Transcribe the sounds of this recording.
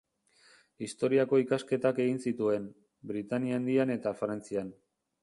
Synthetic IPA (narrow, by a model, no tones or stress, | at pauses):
ist̪o̞ɾiako̞ikaske̞t̪ake̞ɣinsit̪ue̞n | bɾit̪aniand̪iane̞t̪afɾant͡sian